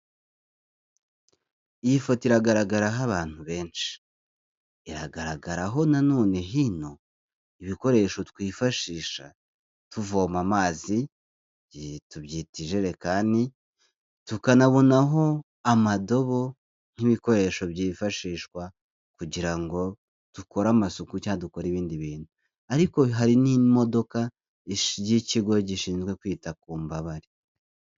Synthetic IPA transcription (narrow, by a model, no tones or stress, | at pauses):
iiifotiɾaɡaɾaɡaɾaɦaβaːn̥huβe̞ːnʃi̥ | iɾa̰ɡaɾaɡaɾaɦo̞nano̞ːneɦino̞ | iβiko̞ɾe̞ʃo̞twiːfaʃiːʃa̰ | tuvoːmamaːzi | ituβjiːtiʒe̞ɾe̞kaːndi | tukanaβonaɦo̞ | amado̞βo̞ | n̥hiβiko̞ɾe̞ʃo̞βɟiːfaʃiːʃwa | kuɟiɾaŋɡo̞ | tuko̞ɾaːmasukucaduko̞ɾiβiːndiβiːn̥huu | aɾiko̞ɦaɾinimo̞do̞ka | ɟiciɡo̞ɟiʃiːnzɡwe̞kwiːtakuːmbaβaɾi